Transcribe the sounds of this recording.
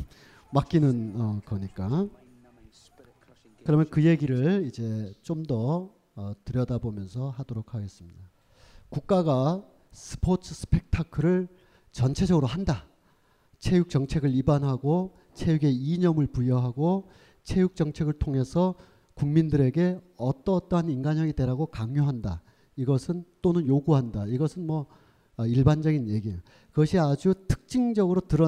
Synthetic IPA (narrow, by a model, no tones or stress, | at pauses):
mak͈inɯnʌkʌɲik͈a | kɯɾʌmjʌnkɯje̞ɡiɾɯɭid͡ʑe̞t͡ɕ͈omdʌ | ʌtɯɾjʌdabomjʌns̬ʰʌɦadoɾok̚ʰaɡe̞s͈ɯmɲida | kuk̚k͈aɡa | sʰɯ̥pʰotʰɯsʰɯ̥pʰe̞k̚tʰakʰɯɾɯɭ | t͡ɕʌnt͡ɕʰe̞d͡ʑʌɡɯɾoɦanda | t͡ɕʰe̞juk̚t͡ɕʌŋt͡ɕʰe̞ɡɯɭibanɦaɡo | t͡ɕʰe̞juɡe̞iɲʌmɯɭpujʌɦaɡo | t͡ɕʰe̞juk̚t͡ɕ͈ʌŋt͡ɕʰe̞ɡɯɭtʰoŋɦe̞sʰʌ | kuŋmindɯɾe̞ɡe̞ | ʌt͈ʌt͈ʌɦaninɡaɲʌɡide̞ɾaɡokaŋɲjoɦanda̰ | iɡʌsʰɯnt͈onɯnjoɡuɦandaiɡʌsʰɯnmwʌ | iɭband͡ʑʌɡinje̞ɡi | kɯɡʌɕʰiad͡ʑutʰɯ̥k̚t͡ɕ͈iŋd͡ʑʌɡɯɾotɯɾʌ